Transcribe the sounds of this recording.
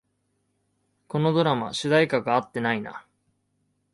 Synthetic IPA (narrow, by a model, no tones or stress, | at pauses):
ko̞no̞d̪o̞ɾama̰ɕɨd̪aikaɡaat̪ːe̞naina̰